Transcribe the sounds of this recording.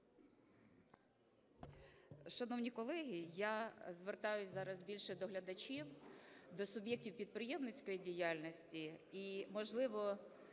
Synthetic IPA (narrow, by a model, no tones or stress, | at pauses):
ʃɐnɔwnʲikɔlˠɛɦʲijazʋert̪ɑjʊsʲzɑɾɐzbʲilʲʃɛd̪ɔɦlʲɐd̪ɐt͡ʃʲiwd̪ɔsʊbʲjɛk̚tʲiwpʲid̪̚pɾɪjɛmnɪt͡sʲkɔjidʲijalʲnɔsʲtʲiimɔʒlˠɪʋɔ